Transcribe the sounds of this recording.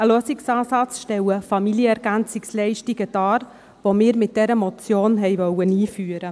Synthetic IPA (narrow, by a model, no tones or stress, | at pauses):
əløːsɪksɑːsɑt͡sʃtɛwəfɑmiljəɛɾɡænt͡sɪkslɛɪʃtiɡəd̥ɑːɾ | vomɪːɾmɪt̚d̥ɛɾəmɔt͡sjoːnɦɛɪvœwəniːfyːəɾə